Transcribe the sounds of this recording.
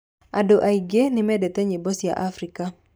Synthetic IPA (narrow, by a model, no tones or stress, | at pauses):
adoʔaiɡenɪmɛdɛt̪ɛɲɪbosija̰ʔafɾika